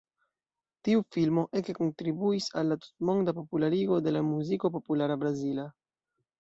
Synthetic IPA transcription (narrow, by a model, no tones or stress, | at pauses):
tiufilmo̞ʔekeko̞ntɾibuisalːatu̥tmo̞ŋdapo̞pulaɾiɡo̞de̞lamuziko̞po̞pulaɾabɾazila